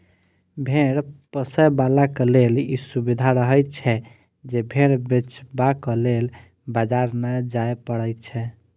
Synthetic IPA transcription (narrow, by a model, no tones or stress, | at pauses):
bʱeɽpəsəbalakelelisubid̪ʱaɾəɦəjt͡ʃʰɛ | d͡ʒebʱeɽbet͡ʃbakɔlel | bad͡ʒaɾnəjd͡ʒajpəɽət͡ʃʰɛ